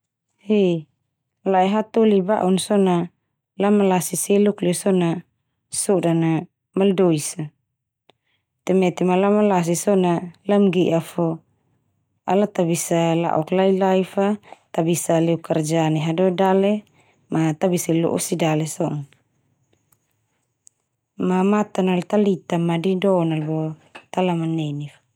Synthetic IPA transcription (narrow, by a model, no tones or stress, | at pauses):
he | laɛɦat̪uliba̰ʔunsɔna | lamalasiseluklɛusɔna | sɔdana | maldoisa | t̪ɛmɛt̪imalamalas̬isɔnalamɡiʔafo | alat̪abisala̰ʔɔklailaifat̪abisalɛukard͡ʒaniɦadodale | mat̪abisalo̰ʔṵsidalesɔn | mamat̪analt̪alit̪amadidɔnalbot̪alamanenifḁ